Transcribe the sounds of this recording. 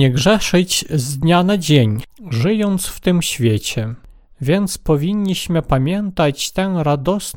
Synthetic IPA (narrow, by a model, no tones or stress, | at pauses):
ɛɡʐɛʂɘt͡ɕzd̪ɲanad͡ʑeɲʐɘjɔnt̪sft̪ɘmɕfʲjet͡ɕɛ | vʲjɛnt̪spɔvʲiɲːiɕmɘpamʲjɛnt̪at͡ɕt̪ɛnɾad̪ɔs